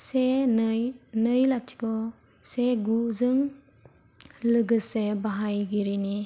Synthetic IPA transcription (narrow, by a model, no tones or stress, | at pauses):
senjnɯjlatʰi̥kɔ | seɡuzɯŋ | lɯɡɯsebaɦajɡiɾini